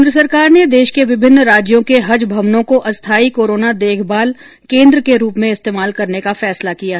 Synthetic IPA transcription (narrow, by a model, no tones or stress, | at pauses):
nd̪ɾəsɐɾkaːɾned̪eːʃkeʋɪbʱɪnːɾaːd͡ʒjõkeɦɐd͡ʒbʱɐmnõkoʔɐst̪ʰaːikoːɾoːnad̪eːkʰbaːl | kẽːnd̪ɾəkeɾuːpmẽɪst̪eːmaːlkɐɾnekafɛːslakija